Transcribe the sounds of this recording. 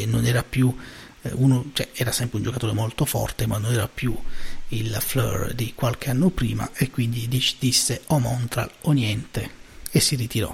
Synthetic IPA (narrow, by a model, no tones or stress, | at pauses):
nonɛːɾapju | unot͡ʃɛɛːɾasɛmpɾeund͡ʒokat̪oːɾemolt̪ofɔ̰rt̪emanːonɛːɾapjuilflɔ̰rd̪ikwalk̟eanːopɾḭːma̰ʔekːwind̪id̪it͡ʃd̪isːeɔmɔnt̪ɾa̰lonjɛnt̪eesːirit̪iɾɔ̰